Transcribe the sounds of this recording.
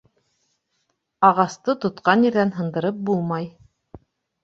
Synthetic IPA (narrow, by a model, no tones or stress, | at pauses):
ɑʁɑst̪ɤt̪ŏt̪qɑnjiɾðænɦɤ̆nd̪ɤ̆ɾɤp̚bulˠmɑj